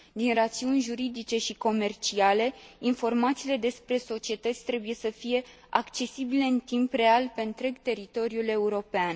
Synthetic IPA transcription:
d̪inrat̪siunʲʒuɾid̪it͡ʃe̞ʃiko̞me̞rt͡ʃiale̞info̞rmat̪siːle̞d̪e̞spɾe̞so̞t͡ʃie̞t̪ət̪sʲt̪ɾe̞buje̞səfije̞ | akt͡ʃe̞sibile̞ɨnt̪impre̞alpe̞ɨnt̪ɾe̞ɡt̪e̞ɾit̪o̞ɾijule̞uɾo̞pean

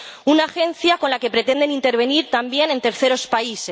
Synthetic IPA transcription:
unaːxe̞n̟θjako̞nlake̞pɾe̞t̪e̞nd̪e̞nint̪e̞ɾβ̞e̞niɾt̪ambje̞nent̪e̞ɾθe̞ɾo̞spaise

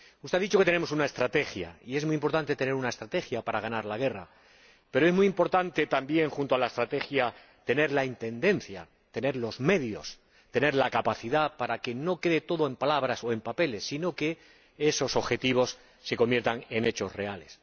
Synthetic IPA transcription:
ust̪e̞aðit͡ʃo̞ke̞t̪ene̞mo̞sunae̞st̪ɾat̪e̞xja̰ie̞zmuijimpo̞ɾt̪ant̪e̞t̪e̞ne̞ɾunaest̪ɾat̪e̞xjapaɾaɣ̞anaɾlaɣ̞e̞ra | pe̞ɾo̞emujimpo̞ɾt̪ant̪e̞t̪ambje̞ŋxunt̪oalae̞st̪ɾat̪e̞xja | t̪e̞ne̞ɾlaint̪e̞nd̪e̞n̟θja̰ | t̪e̞ne̞ɾlo̞zme̞ðjo̞̰s | t̪e̞ne̞ɾlakapaθiðapaɾake̞no̞ke̞ðe̞t̪o̞ðoe̞mpalaβɾaso̞e̞mpape̞le̞sːino̞ke̞ | e̞so̞so̞βxe̞t̪iβ̞o̞sː | e̞ko̞mbje̞ɾt̪aŋe̞ne̞t͡ʃo̞sre̞ale̞s

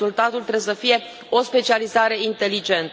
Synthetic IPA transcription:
ult̪at̪ult̪ɾesəfije̞ | o̞spe̞t͡ʃializaɾe̞int̪e̞lid͡ʒe̞nt̪

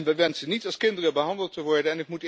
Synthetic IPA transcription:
nʋɛjʋɛnsənitɑlˠskɪndərəbəɦɑndəlˠtəʋɔɹdənɛnɪkmut

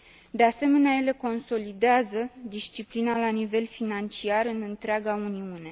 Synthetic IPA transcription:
d̪ease̞me̞neaje̞le̞ko̞nso̞lid̪eazəd̪ist͡ʃiplinalanive̞lfinant͡ʃiarɨnɨnt̪ɾeaɡauniune̞

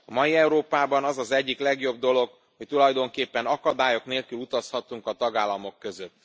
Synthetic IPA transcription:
ɒmɒjiɛuɾoːpaːbɒnɒzɒzɛɟːiklɛɡjo̞b̚d̪o̞lo̞ɡ | ho̞ct̪ulɒjd̪o̞ŋkeːpːɛnɒkɒd̪aːjo̞kneːlkylut̪ɒshɒt̪ːuŋkɒt̪ɒɡaːlːɒmo̞kːø̞zøt̪ː

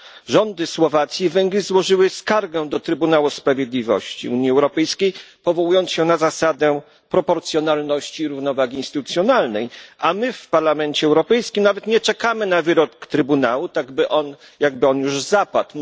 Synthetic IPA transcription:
ʐɔnd̪ɘswɔvat̪sʲjivɛŋɡlʲizwɔʐɘwɘskaɾɡɛ̃d̪ɔt̪ɾɘbunawuspɾavʲjed̪lʲivɔ̰ɕt͡ɕḭuɲjiɛwɾɔpɛjskʲejpɔvɔwujɔnt̪sɕɛnazasad̪ɛ | pɾɔpɔɾt̪sʲjɔnalnɔɕt͡ɕiːɾuvnɔvaɡʲiinst̪ɘt̪ut̪sjɔnalnɛjamɘfpaɾlamɛnt͡ɕɛɛwɾɔpɛjskʲimnavɛt̪ɲɛt͡ʂɛkamɘnavɘɾɔkt̪ɾɘbunawut̪aɡbɘʔɔn | jaɡ̚bɘɔnjuʐzapat̪

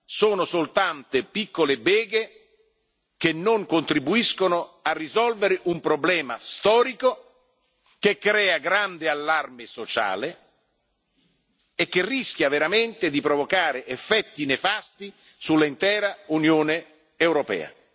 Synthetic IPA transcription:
soːnosolt̪ant̪epikːolebɛːɡe | k̟enːoŋkont̪ɾibuiskonoʊarːizɔlveɾɪʔumpɾoblɛːma̰st̪ɔːɾiko | kekːɾɛːaɡɾand̪ɪalːarmɪsot͡ʃa̰ːle | k̟ːerːisk̟javeɾament̪ɪd̪ipɾovokaːɾeʔefːɛt̪ːinefast̪i | sulːaint̪ɛːɾaunjoːne | ewɾopɛ̰ːa̰

